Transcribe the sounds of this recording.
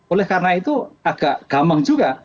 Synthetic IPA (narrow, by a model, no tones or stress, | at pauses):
olɛhkarnait̪uaɡ̥aʔɡ̥amaŋd͡ʒuɡa